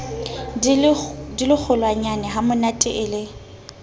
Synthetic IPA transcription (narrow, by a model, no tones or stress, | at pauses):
dilɪk͡xʰʊlwaɲanɛɦamʊnatʼɪʔɪːle